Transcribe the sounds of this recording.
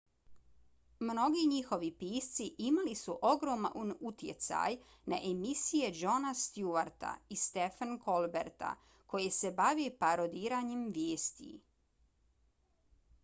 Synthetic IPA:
mno̞ɡiɲixo̞ʋipiːst̪siʔimalisuʔo̞ɡɾoma̰onut̪je̞̰t̪sa̰j | na̰ʔemisije̞d͡ʒo̞nast̪juaɾt̪a̰ist̪efanko̞lbeɾt̪a̰ | ko̞jese̞baʋepaɾo̞d̪iːɾaɲemʋjeːst̪ḭ

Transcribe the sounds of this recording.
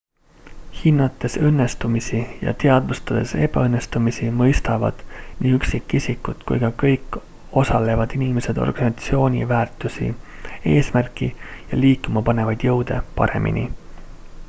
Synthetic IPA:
hinːɑt̪ːˑe̞sɤnːe̞st̪umisijɑ̰t̪e̞ɑd̪vust̪ɑd̪̥e̞se̞b̥ɑɤnːe̞st̪umisimɤjst̪ɑvɑ̰d̪̥nʔiːyksikːisʲikːˑut̪kṵjɡ̥ɑkɤjkːˑ | o̞sɑle̞vɑd̪̥inimese̞d̪̥o̰rɡ̥ɑnsɑt̪sio̞ːnʲḭvæːrt̪ːˑusḭeːsmærkˑijɑ̰liːkːˑumɑpɑne̞vɑjd̪̥jɤwd̪̥e̞̰pɑ̰ɾe̞̰mʔḭnʲʔḭ

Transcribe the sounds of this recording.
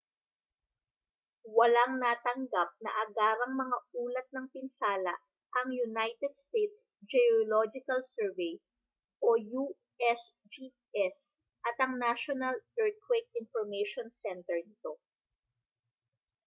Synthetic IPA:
wɐlaŋnaːt̪ɐŋɡap̚nɐ̰ʔɐɡaːɾɐŋmɐŋauːlɐt̪̚nɐŋpɪnsaːlɐ̰ | ʔɐŋjʊnajt̪ɛd̪̚st̪ejt̪s | d͡ʒɛolod͡ʒɪkɐlsɛɹvɛj | ʔoju | ʔɛs | d͡ʒi | ʔɛs | ʔɐt̪ɐŋnaʃonɐlɛɹt̪̚kwek̚ɪnfɔɹmɐjʃonsɛnt̪ɛɹnɪt̪o̞

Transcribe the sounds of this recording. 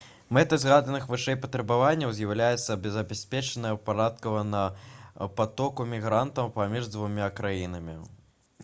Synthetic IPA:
mɛt̪ɨzɣad̪ɐnɨxvɨʂɛjpɐt̪ɾɐbavanʲːɐwzʲjɐwlʲajɛt̪sːɐbʲɛzɐbʲasʲpʲɛt͡ʂɛnɐjɐpaɾat̪kɐvɐnɐpat̪ɔkumʲiɣɾant̪ɐwpamʲiʐd̪vumʲakɾajinɐmʲi

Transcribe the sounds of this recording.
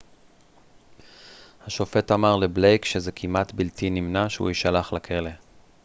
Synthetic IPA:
haʃo̞fe̞tamaʁle̞ble̞jkʃezekʰimʔatbiltinimnaʃeṵiʃalaχlakʰele̞

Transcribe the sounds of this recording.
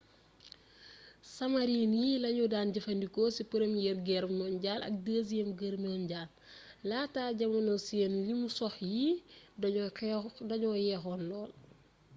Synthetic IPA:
sɐmɐɾinjilɐɲudaːnɟɐfɐndikɔsipuɾɐmjɛɾɡɛɾmɔːnɟaːlɐ̰k̚dəːs̬jɛmɡəɾmjɔnɟaːlː | aːtaːɟɐmɐnɔsiɛnlimusɔxji | dɐɲɔːjɛːxɔːnlɔːl

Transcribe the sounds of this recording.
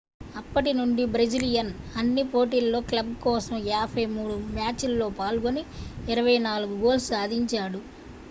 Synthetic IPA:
ɐpːɐʈinuɳɖibɾed͡ʒilijɐnɐnːipo̞ːʈiːllo̞ːklɐbkɔːsɐmjaːbʰɐjmuːɽumjaːt͡ʃilːo̞ːpaːlɡoniːɾɐʋɐjnaːluɡuɡo̞ːlssaːd̪ʱiɲt͡ʃaːɽu

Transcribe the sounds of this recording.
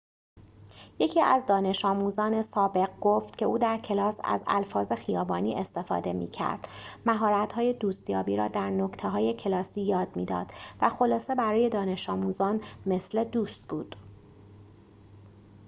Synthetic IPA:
je̞cʰiːʔæ̰zd̪ɒːne̞ʃɒːmuzɒːne̞sɒːbe̞ɣɡo̞ft̪cʰe̞uːd̪æɾcʰe̞lɒːsæ̰zæ̰lfɒːze̞xijɒːbɒːniːʔest̪e̞fɒ̰ːd̪e̞mḭːcʰæ̰ɾd̪̥mæɦɒːɾæt̪hɒːje̞d̪uːst̪jɒːbiːɾɒːd̪æɾno̞kt̪ʰeɦɒːje̞cʰe̞lɒːsiːjɒːd̪miːd̪ɒ̰ːd̪̥væxo̞lɒːse̞bæɾɒːje̞d̪ɒːne̞ʃɒːmuzɒːnme̞sle̞d̪uːst̪̚b̥uːd̪̥

